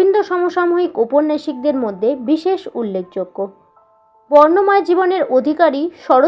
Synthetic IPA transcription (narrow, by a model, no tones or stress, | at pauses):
ind̪ʱoʃɔmoʃamuɦikupoɾnːajʃik̚d̪eɾmod̪ʱːebiʃeʃulːek̚d͡ʑoɡːo | bɔɾnomɔed͡ʑiboneɾod̪ʱikaɾiʃɔɾo